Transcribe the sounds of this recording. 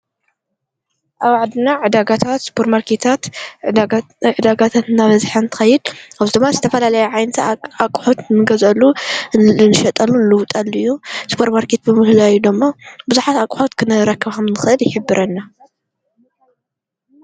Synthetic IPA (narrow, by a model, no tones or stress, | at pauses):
ʔaβaʕad̪ɨnaʕɨd̪aɡat̪ʰat̪spʰoɾmaɾkʰet̪ʰat̪ | ʕɨd̪aɡat̪ʰat̪ɨnːaβɐzħɐnt̪ʰɨ̥xɐjːɪd̪̚aβzid̪ɨmːazɨt̪ʰɐfɐlalɐjɛʕajnɐt̪ʰakʼħot̪nɨɡɐzɐlːu | nɨʃɐt̪ʼɐlːunɨlɨwt̪ʼalːuɨjːuspʰoɾmaɾkʰet̪̚bɨmɨhlajud̪ɨmːabɨzuħat̪akʼħot̪kʰɨnɨɾɐkʰːɨβxɐmnɨxɨʔɨljɪħɨbːɨɾʔɐnːa